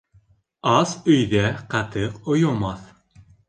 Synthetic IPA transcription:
ɑsɵ̆jðæqɑt̪ɤqŏjomɑθ

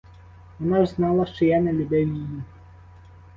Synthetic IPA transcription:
ʋɔnaʒznɑlˠɐʃt͡ʃɔjanɛlʲʊbɛwʲiju

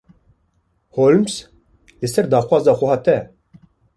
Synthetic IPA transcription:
holms | lɨsɛɾd̪ɑːxʷwɑːzɑːxʷɛɦɑːt̪ɛ

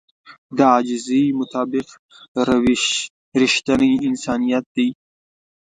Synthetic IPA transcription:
d̪əad͡ʒɪzimʊt̪ɑːbɪq | ɾ | ɾɪʃt̪aniɪnsɑnijat̪̚d̪i

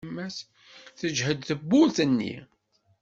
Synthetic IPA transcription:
mːæs | θəd͡ʒhəd̪θəbːuθənːḭ

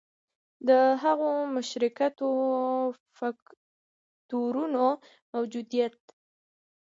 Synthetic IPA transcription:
d̪əɦaɣomʊʃɾɪkat̪o | fak | t̪uɾuno | mawd͡ʒud̪ijat̪̚

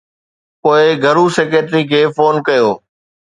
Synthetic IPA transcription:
poːɪɡʱɐɾuːseːkeːʈɾikʰeːfoːnkɐjoː

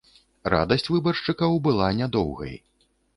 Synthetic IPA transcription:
ra̰d̪ɐsʲt͡sʲvɨbɐrʂt͡ʂɨkɐwbɨlˠanʲad̪ɔwɣɐ̰j

